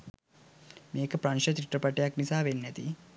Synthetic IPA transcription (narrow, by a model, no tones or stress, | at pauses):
mĩekpɾanʃɐt̪ɾiʈɾəpɐʈeaknisaːʋenjɐt̪ḭ